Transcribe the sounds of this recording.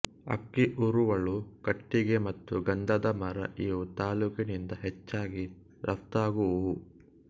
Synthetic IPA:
ɐ̰kːiʔuɾuʋɐɭukɐʈːiɡe̞mɐt̪ːuɡɐnd̪ɐd̪ɐmɐɾɐ̰ʔiːjut̪aːluːkinind̪ɐɦɛt͡ʃːaːɡi | ɾɐft̪aːɡu

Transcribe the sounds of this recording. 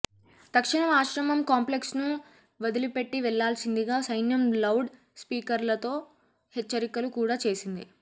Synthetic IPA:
d̪̥ɐkʂiɳɐmaːʃɾɐmɐmkaːmple̞ksnu | ʋɐd̪ilipe̞ʈːiʋɛɭːaːlsind̪iɡaːsɐjnjɐmlɐwɖ | spiːkɐɾlɐt̪o̞ː | hɛt͡ʃːɐɾikɐlukuːɽaːt͡ʃe̞ːsind̪ḭ

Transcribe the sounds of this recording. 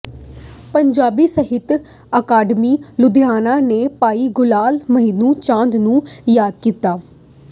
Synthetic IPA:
pəɲd͡ʒaːbiːsəɦɪt̪ | əkaːɖmiːlʊd̪jaːnãːneːpaːiːɡʊlaːlməɦiːnũːt͡ʃãːnd̪nũːjaːd̪̚kiːt̪aː

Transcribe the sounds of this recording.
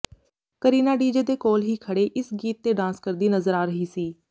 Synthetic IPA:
kəɾiːnaːɖiːd͡ʒed̪eːkoːlɦiːkʰəɽeːʔɪsɡiːt̪̚ːeːɖãːskəɾd̪iːnəzəɾaːɾəɦiːsiː

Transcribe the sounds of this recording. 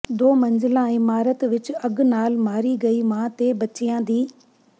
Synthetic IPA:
d̪oːmɐ̃ɲzɪlãːɪmaːɾət̪ʋɪt͡ʃɐɡnaːlmaːɾiɡɐiːmãːt̪eːbɐt͡ʃijãːd̪iː

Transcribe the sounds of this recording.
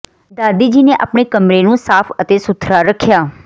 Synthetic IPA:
d̪aːd̪iːd͡ʒiːnẽːʔa̰ːpɳeːkəmɾeːnũːsaːpʰət̪eːsʊt̪ʰɾaːɾəkʰːjaː

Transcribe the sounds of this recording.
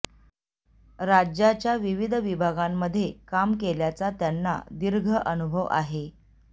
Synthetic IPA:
ɾad͡ʑjat͡ɕjaʋiʋid̪ʱʋibʱaɡamːəd̪ʱːjekamkeljat͡sat̪janːa̰d̪iɾɡʱəʔənubʱəʋa̰ɦe

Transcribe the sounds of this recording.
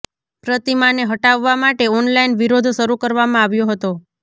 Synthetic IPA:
pɾət̪imaneɦəʈaʋːamaʈeɔnlainʋiɾod̪ʱʃəɾukəɾʋamãaʋjoɦət̪o

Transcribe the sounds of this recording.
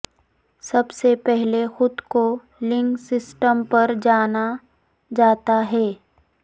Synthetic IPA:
sɐbsepɛɦlexʊd̪ko | lɪ̃ŋɡsɪsʈəmpɐɾd͡ʒaːna | d͡ʒaːt̪aɦɛː

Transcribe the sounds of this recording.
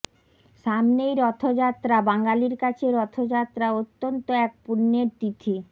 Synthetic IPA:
ʃamnejɾɔt̪ʰod͡ʑat̪ːɾabaŋɡaliɾkat͡ɕʰeɾɔt̪ʰod͡ʑat̪ːɾaot̪ːont̪oɛk̚puɾneɾt̪it̪ʰi

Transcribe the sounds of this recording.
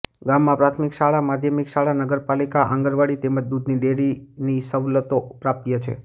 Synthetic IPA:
ɡamːãpɾat̪ʰmikʃaɭamad̪ʱjəmikʃaɭanəɡəɾpalikaʔãŋɡəɾʋaɽit̪eməd͡ʒd̪ud̪ʱniɖeɾinisəʋlət̪opɾap̚t̪jət͡ʃʰḛ

